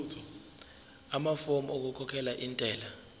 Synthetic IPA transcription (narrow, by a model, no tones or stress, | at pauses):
tʰɔ | amafomok̬ukʰɔkʰɛlaʔintʼɛːla